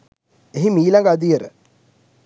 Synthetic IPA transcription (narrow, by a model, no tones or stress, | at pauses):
eɦimiːlaŋɡad̪ijeɾə̰